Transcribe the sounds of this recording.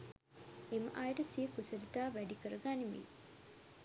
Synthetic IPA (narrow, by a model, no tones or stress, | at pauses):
emə̰ʔajəʈəsijəkusəlit̪aːʋæɖikəɾəɡanimḭ